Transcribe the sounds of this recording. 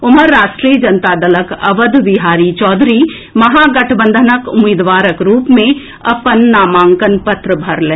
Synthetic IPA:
ʊməɾːaːʃʈɾiːjəd͡ʒɐnt̪ad̪ɐləkɐ̰ʋəd̪ʋiɦaːɾit͡ʃɔːd̪ʱɾiː | mɐɦaːɡɐʈʰbə̃nd̪ʱənəkʊmeːd̪ʋaːɾəkɾuːpmẽ | ɐpənːaːmãːŋkənpɐt̪ɾəbʱɐɾlẽː

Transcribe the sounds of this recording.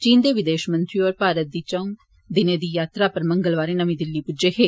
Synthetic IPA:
t͡ʃiːnd̪eʋid̪eːʃɐmɐnt̪ɾijoːɾpaːɾɐd̪it͡ʃɐŋ | d̪ined̪ijaːt̪ɾaːpɐɾmɐŋɡɐɭʋaːɾenɐmid̪ilːipud͡ʒɐheː

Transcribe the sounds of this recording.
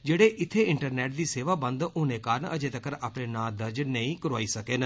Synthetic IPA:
d͡ʒeːɽeːʔɪt̪ʰːeɪɳʈəɾnɛːʈ̚d̪iːseːʋaːbə̃nd̪oːneːkaːɾəɳəd͡ʒet̪əkəɾaːpɽeːnãːd̪əɾd͡ʒnəĩːkəɾʋaːiːsəkeːnə

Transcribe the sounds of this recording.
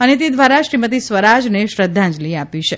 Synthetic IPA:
ənet̪̬ed̪ʋaɾaʃɾimət̪isʋəɾad͡ʒneʃɾəd̪ʱːãd͡ʒliapiʃʰe

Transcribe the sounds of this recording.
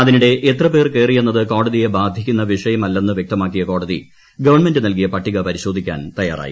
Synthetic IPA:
ɐðiniɽe̞ʔet̪rɐpe̞ːrke̞ːrijenːɐðɨko̞ːɽɐðije̞baːd̪ʱikʲːunːɐʋiʂɐjɐmɐlːenːɨʋjek̚t̪ɐmaːkːijɐko̞ːɽɐðḭ | ɡɐʋɐɳme̞ndɨnɐlk̬ijɐpɐʈːiɣɐpɐɾiɕo̞ːd̪ʱikʲːa̰ːnt̪ɐjaːrʔa̰ːji

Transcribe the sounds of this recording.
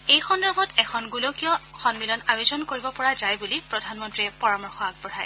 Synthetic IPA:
ejxɔndaɹbʱɔtɛkʰɔnɡulokijɔxɔnmilɔnajozɔnkoɹibɔpɔɹazajbulipɹɔdʱanmɔntɹiɛpɔɹamɔɹxɔaɡ̚pɔɹaj

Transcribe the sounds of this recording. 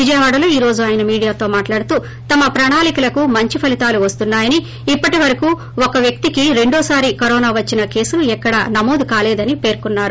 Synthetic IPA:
ʋid͡ʒɐjɐʋaːɽɐlo̞ːiːɾo̞ːd͡ʒuaːjɐnɐmiːɽijaːt̪o̞ːmaːʈlaːɽut̪uː | t̪ɐmɐpɾɐːɳaːlikɐlɐkumɐɲt͡ʃipʰɐlit̪aːluʋɐst̪unːaːjɐniː | pːɐʈiʋɐɾɐkuː | ɔkɐʋjɐk̚t̪ikiɾe̞ɳɖɔːsaːɾikɐɾɔːnaːʋɐt͡ʃːinɐke̞ːsuluɛkːɐɽɐ̰nɐmo̞ːd̪ukaːleːd̪ɐnipe̞ːɾkunːaːɾu

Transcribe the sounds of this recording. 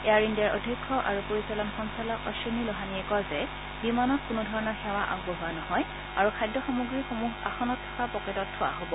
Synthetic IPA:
ɛjaɹindiaɹʔɔ̰dʱikʰːɔʔaɹupoɹisalɔnxɔnsalɔkɔsonilɔɦaniɛkɔɹzɛ | bimanɔt̚kʊnʊdʱɔɹɔnɔɹxɛwaʔa̰ɡbɔɦʊanɔhɔj | aɹukʰajdɔxɔmuɡɹixomuɦa̰xɔnɔtʰːɔ̥kapɔkɛtɔtʰːʊwa̰ɦobɔ

